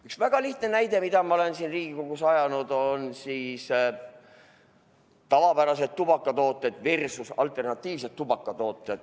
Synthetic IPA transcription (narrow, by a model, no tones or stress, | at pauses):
yksvæɡ̥ɑliht̪ne̞næjd̪e̞mid̪̥ɑmɑole̞nsiːnriːɡ̥iko̞ɡ̥usɑjɑnud̪̥o̞nsiːs | t̪ɑvɑpæɾɑse̞t̪ːub̥ɑkˑːɑt̪o̞ːt̪ːˑed̪̥virsusɑlt̪ˑe̞rnɑt̪ːˑiːvset̪ːubɑkːˑɑt̪o̞ːt̪ːˑed̪̥